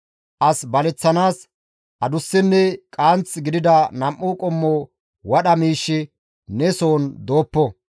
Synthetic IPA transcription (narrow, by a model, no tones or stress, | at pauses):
ʔɐsbɐlɛt͡sːɐnaːs | ʔɐd̪ʊsːɪnːɛkʼaːnt͡sɡɪd̪ɪd̪ɐnɐmʔːukʼɔmːoː | wɐɗɐmiːʃːɪ | nɛsoːnd̪o̞ːpːɔ